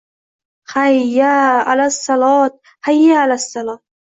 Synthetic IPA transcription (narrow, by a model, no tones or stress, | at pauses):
xajːaːʕalasˤːɑlɑːt̪̚ | ħajːaʕalasˤːɑlɑːt̪̚